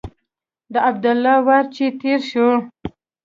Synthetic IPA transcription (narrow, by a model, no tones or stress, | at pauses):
d̪əab̚d̪alːɑwaɾt͡ʃet̪eɾʃo